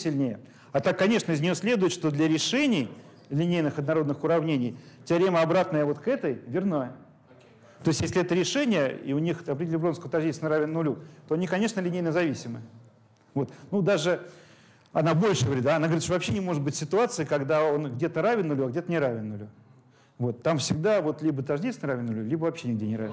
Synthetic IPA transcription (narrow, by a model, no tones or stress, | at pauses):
sʲɪlʲnʲejə | ɐt̪akːɐnʲe̞ʂnəɪznʲɪjo̞sʲlʲe̞d̪ʊjɪt̪ʂt̪o̞d̪lʲəɾʲɪʂɛnʲɪj | lʲɪnʲejnɨxɐd̪nɐɾo̞d̪nɨxʊɾɐvnʲenʲɪjt̪ʲɾʲemʲəɐbɾat̪nəjəvo̞t̪kɛt̪əjvʲɪrna | t̪o̞ɪst̪ʲjesʲlʲɪɛt̪əɾʲɪʂɛnʲɪjəḭʊnʲixɐpɾʲɪdʲɪlʲɪvloskəət̪ɐʐʲdʲiesʲnɾavʲɪnːnʊlʲut̪o̞ɐnʲikɐnʲe̞ʂnəlʲɪnʲejnəzɐvʲisʲɪmɨ | vo̞t̪nud̪aʐɨ | ɐnabo̞lʲʂɨɡəvɐɾʲit̪aɐnaɡəvɾʲit̪ʂovɐpɕːenʲɪmo̞ʐɨt̪̚bɨtʲsʲɪt̪ʊat̪sɨɪkɐɡd̪ao̞nɡdʲe̞t̪əɾavʲɪnːʊlʲuɐɡdʲe̞t̪ənʲɪɾavʲɪnːʊlʲu | vo̞t̪ːamfsʲɪɡ̚d̪avo̞t̪lʲibət̪ɐʐdʲisnəɾavʲɪnnʊlʲulʲibəvɐpɕːenʲɪɡ̚dʲenʲɪɾa̰vɪn